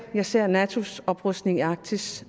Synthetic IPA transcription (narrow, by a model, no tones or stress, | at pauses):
jɑ̈ɪse̝ɐ̰nɛt͡sʰo̝sɒ̽b̥ʁɔsd̥ne̝ŋɑ̈ɡ̥̚t͡sʰis